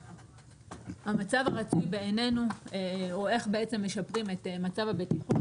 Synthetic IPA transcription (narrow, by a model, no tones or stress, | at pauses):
hamat͡savaʁat͡sujbeːne̞nu | oe̞χbe̞ʔet͡se̞mːe̞ʃapʁime̞tmat͡savabetiχu